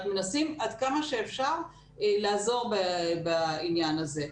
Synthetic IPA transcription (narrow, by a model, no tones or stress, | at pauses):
t̪menasimad̪kamaʃeːfʃaʁ | elaːzo̞ʁbabainjanaze̞